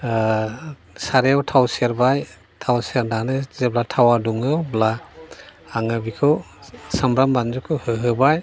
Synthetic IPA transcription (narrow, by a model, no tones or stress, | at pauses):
saɾeawtʰawseɾbaj | tʰawseɾnanɯzeblatʰawaduŋɯwblaː | ŋabikʰɯw | samɾambanzukʰɯwhɯɦɯbaj